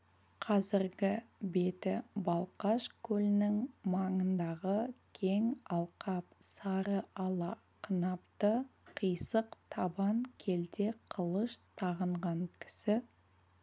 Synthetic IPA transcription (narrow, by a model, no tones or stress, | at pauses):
qʰɑzɪɾɡʲɪbe̞t̪ɪbɑlˠqɑʃkʲʰɵlɪnɪŋmɑɴənd̪ɑʁəkʲʰe̞ŋɑlˠqʰɑp̚sɑɾəɑlˠɑ | qʰənɑpt̪əqʰijsəqt̪ʰɑbɑŋkʲʰe̞lt̪e̞qʰəlˠəʃt̪ʰɑʁəɴʁɑŋkʲʰɪ̥sɪ